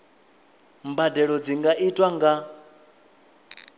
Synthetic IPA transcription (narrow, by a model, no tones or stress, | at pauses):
mbadɛɺɔd͡ziŋɡaʔitʼwaŋɡa